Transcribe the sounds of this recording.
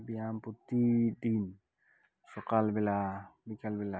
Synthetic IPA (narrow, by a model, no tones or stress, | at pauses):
biamput̪id̪in | sokalbelabikalbila